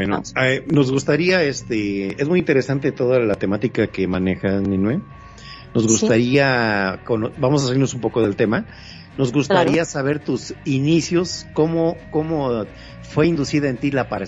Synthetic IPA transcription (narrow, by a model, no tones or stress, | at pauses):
enono̞zɣust̪aɾiaest̪ee̞zmujint̪e̞ɾe̞sant̪̬e̞t̪o̞ðalat̪e̞mat̪ikake̞mane̞xasninwe | no̞zɣust̪aɾiakonbamos̬as̬aliɾno̞s̬umpo̞ko̞ðe̞lt̪e̞ma | no̞zɣust̪aɾiasaβ̞e̞ɾt̪usinisjo̞sko̞mo̞ko̞mo̞ | fwe̞ind̪usiðae̞nt̪ilapaɾ